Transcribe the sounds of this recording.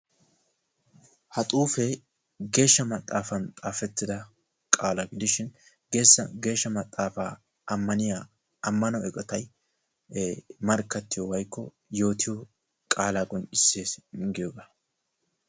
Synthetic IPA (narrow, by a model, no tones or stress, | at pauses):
hɐt̪ʼuːfɛ | ɡe̞ːʃːɐmɐt̪ʼːaːfɐnt̪ʼaːfɛt̪ːɪd̪ɐ | kʼaːlɐɡɪd̪ɪʃɪn | ɡe̞ːsːɐɡe̞ːʃːɐmɐt̪ʼːaːfaː | ɐmːɐnɪjaː | ɐmːɐnɔɛkʼɔt̪ɐj | mɐɾkːɐt̪ːɪjɔwɐjkːɔ | jo̞ːt̪ɪjɔ | kʼaːlaːkʼɔnt͡ʃʼɪsːeːsɡɪjoɡaː